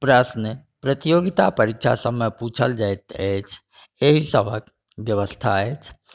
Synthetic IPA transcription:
pɾəsnəpɾət̪ijoɡit̪apəɾik̚t͡ʃʰa̰səbmeput͡ʃʰəld͡ʒajt̪et͡ʃʰ | eɦisəbʱək | bjəβəst̪ʰaet͡ʃʰ

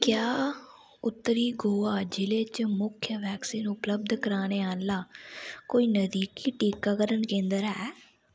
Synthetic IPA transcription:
kjaː | ʊt̪ːəɾiːɡoːaːd͡ʒɪleːt͡ʃmʊkʰjəʋɛːksiːnʊpləb̚d̪kəɾaːñeːaːnlaːkoːiːnəd̪iːkiːʈiːkaːkəɾənkẽːnd̪əɾɦɛː

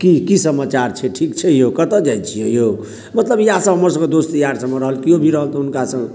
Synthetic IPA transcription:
kikisəmat͡ʃaɾt͡ʃʰɛʈʰikt͡ʃʰɛjokət̪əd͡ʒajt͡ʃʰijɛjo | mət̪ləbjasə̃ɦəməɾsə̃ŋɡed̪ost̪əjaɾsə̃mːeɾəɦəlkiobʱiɾəɦəlt̪ʰunkasə̃ŋɡ

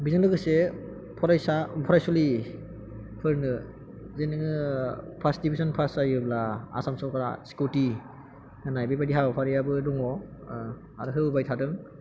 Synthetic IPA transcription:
bizɯnlɯɡɯse | pʰɔɾajsapʰɔɾajsuli | pʰɯɾnɯ | zenɯŋɯpʰasdibizɔnpʰasajɯblaa̰samsɔwkʰɾa̰si̥kuti | nɯnajbebadiɦabapʰaɾijabɯdɔŋɔ | a̰ɾɯɦɯbɯbajtʰadɯŋ

